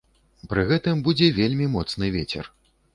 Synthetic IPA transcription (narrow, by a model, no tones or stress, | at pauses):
pɾɨɣɛt̪ɨmbud͡zʲɛvʲelʲmʲimɔt̪snɨvʲet͡sʲɛ̰r